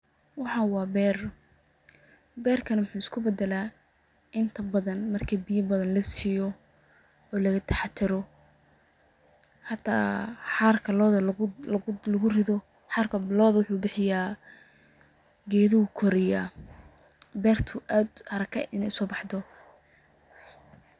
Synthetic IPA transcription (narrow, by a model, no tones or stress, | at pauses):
wɑħɑːwɑːbɛːr | bɛːrkʰɐnwʊħuːɪskʰʊbɛd̪ɛlaː | ʔɪnt̪ʰɐbɐðɐnmɐrkʰiːbijɐbɐðɐnlɐsɪjɔ | ɔːlɐɣɐt̪ʰɛħɑt̪ʰɪɾɔ | ħɑt̪ʰːa̰ːħɑːrkʰɐlɔːðɐ | lɐɣʊrɪðɔ | ħɑːrkʰɐlɔːðɐwʊħuːbɪħɪjaː | ɡɛːðɔʊkʰɔɾɪjaː | bɛːrt̪ʰʊʔaːd̪hɐɾɐkʰɐ̰ʔɪnɛsɔːbɑħd̪ɔ